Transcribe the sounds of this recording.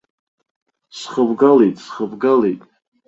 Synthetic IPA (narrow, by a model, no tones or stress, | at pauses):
sχəbɡalejtʼsχəbɡalḛjtʼ